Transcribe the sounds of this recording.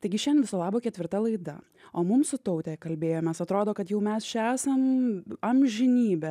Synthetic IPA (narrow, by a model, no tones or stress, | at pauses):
t̪ɐɪɡʲɪʃʲɛnʋʲɪsoːlˠɑːboːkʲɛt̪ʲʋʲɪɾt̪ɐlˠɐɪd̪ɐ̰ | oːmʊmsʊt̪ɐʊt̪ʲɛkɐlʲbʲeːjoːmʲɛsɐt̪ɾoːd̪oːkɐt̪jɛʊmʲɛst͡ʃʲɛæːsɐmɐmʲʒʲɪnʲiːbʲɛ